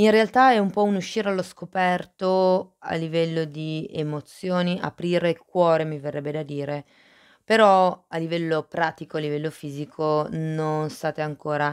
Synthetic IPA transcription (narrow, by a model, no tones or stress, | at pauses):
inrealt̪aɛumpɔunuʃːiːɾealːoskopɛrt̪oa̰lːivɛlːod̪iemot̪sːjoːniʔa̰pɾiːɾekwɔːɾemiverːɛbːed̪ad̪iːɾe | peɾɔalːivɛlːopɾaːt̪ikoalːivɛlːofiːzikʰononst̪aːt̪eaŋkoːɾa